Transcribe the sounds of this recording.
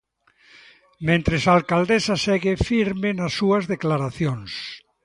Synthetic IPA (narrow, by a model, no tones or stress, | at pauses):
mẽnt̪ɾesalkald̪esasɛɣefiɾmɪnasːuɐzðeklaɾaθjoŋs